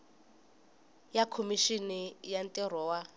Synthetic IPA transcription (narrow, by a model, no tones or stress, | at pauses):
jakʰomiʃinijantʼɛr̤ɔːwa